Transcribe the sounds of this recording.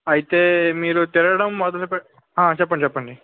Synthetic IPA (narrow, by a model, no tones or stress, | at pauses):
ɐjit̪eːmiːɾut̪iɾɐɽɐmːɔd̪ɐlɐpɛ | ɦãːt͡ʃɛp̬ːɐɳɖit͡ʃɛpːɐɳɖi